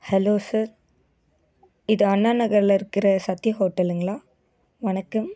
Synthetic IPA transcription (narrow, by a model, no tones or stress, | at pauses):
hɛloːsɐɾ | ɪðɯɐnːaːnɐɣɐɾlɪɾɯkːɪɾɐsɐt̪ːɪjɐɦoːʈːɐlɯŋɡɐɭaː | ʋɐnɐkːɯm